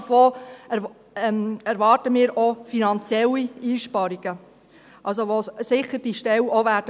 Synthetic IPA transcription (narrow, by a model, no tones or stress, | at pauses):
foː | ɛmæɾʋɑːrtəmɪːɾɔfinɑnt͡sjɛliiːʃpɑɾiɡ̥ə | ʔɑls̬oʋosɪχəɾd̥iʃtɛwɔʋæːɾdə